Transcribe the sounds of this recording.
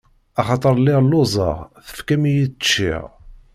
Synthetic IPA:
ɑχɑt̪ˤəɾˤlːɪʁlozˤɑ̰ʁθə̥fkæmijit͡ʃːḭʁ

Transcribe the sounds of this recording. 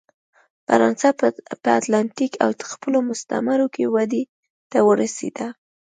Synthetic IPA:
fa̰ɾɑnsapəat̪lant̪ikʰa̰wt̪ə̥xpəlomʊst̪a̰maɾokewad̪e | t̪awəɾasḛd̪a

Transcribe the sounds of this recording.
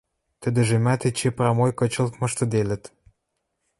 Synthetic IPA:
t̪ə̆d̪ə̆ʒĕmæt̪et͡ɕeprɑmojkɤ̆t͡ɕə̆lt̪mɤ̆ʃt̪ɤ̆d̪elə̆t̪

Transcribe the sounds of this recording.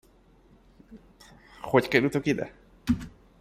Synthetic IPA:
hockɛɾut̪okid̪ɛ̰

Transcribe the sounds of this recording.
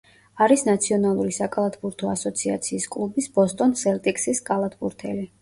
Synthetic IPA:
aɾisnat̪sʰiɔnalˠuɾisakʼalˠat̪ʰbuɾt̪ʰɔasɔt̪sʰia̰t̪sʰiːskʼlˠubisbɔst̪ʼɔnsɛlt̪ʼikʼsiskʼalˠat̪ʰbuɾt̪ʰɛ̰li

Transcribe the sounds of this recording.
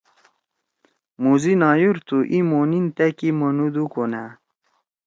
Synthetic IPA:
muzinɑːjuɾt̪uʔimonint̪akimonud̪ukona

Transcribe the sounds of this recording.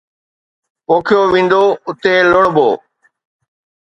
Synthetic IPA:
poːkʰjoʋĩːn̆d̪oːʊt̪elʊɽ̃bo̰ː

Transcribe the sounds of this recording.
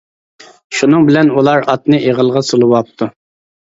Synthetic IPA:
ʃunɨŋbɪlɛnulˠɑɾɑt̪nɨʔeʁəlˠʁɑsolˠɨwɑp̚t̪ʰu

